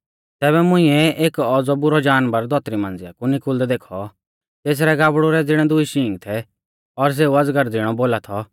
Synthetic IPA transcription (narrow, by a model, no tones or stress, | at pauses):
t̪ɛːβɛmʊ̃ĩːɛʔeːkɔːd͡zɔbʊɾɔd͡ʒaːnbɐɾd̪ʱɔt̪ɾimãːnd͡zɪja̰kunɪkʊld̪ɛd̪eːkʰɔ | t̪eːs̬ɾɛɡaːbɽuɾɛd͡zɪɽ̃ɛd̪ʊiʃĩːŋɡt̪ʰɛ | ɔɾs̬eːuɐd͡zɡəɾd͡zɪɽ̃ɔboːlat̪ʰɔ